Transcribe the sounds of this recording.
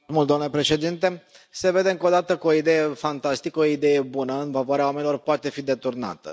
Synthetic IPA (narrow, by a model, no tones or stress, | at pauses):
mult̪oamnlepɾe̞ʃe̞d̪int̪e̞se̞ve̞d̪e̞ɨŋko̞d̪at̪əkəoid̪e̞je̞fant̪ast̪ikəoid̪e̞je̞bunəɨnfavoaɾeawamenilo̞rpoat̪e̞fid̪e̞t̪urna̰t̪ə̰